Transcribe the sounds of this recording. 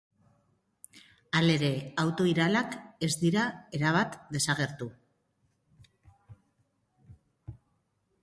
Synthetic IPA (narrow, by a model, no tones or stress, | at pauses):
ale̞ɾe̞awt̪o̞iɾalake̞zd̪iɾae̞ɾaβ̞at̪d̪e̞saɣ̞e̞ɾt̪u